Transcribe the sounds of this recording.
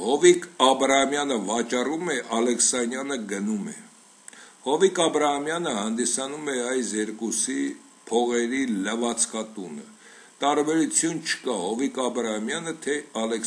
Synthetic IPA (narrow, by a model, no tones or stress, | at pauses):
hɔvikʰɑbɾɑhɑmjɑnəvɑt͡ʃɑrumɛʔɑlɛksɑnjɑnəɡənumɛ̰ | hɔvikɑbɾɑhɑmjɑnəhɑnd̪isɑnumɛɑjsjɛɾkusi | pʰɔʁɛɾiləvɑt͡sʰkʰɑt̪unə̰ | t̪ɑɾbɛɾut͡sʰjunt͡ʃʰə̥kɑhɔvikɑbɾɑhɑmjɑnət̪ʰɛɑlɛk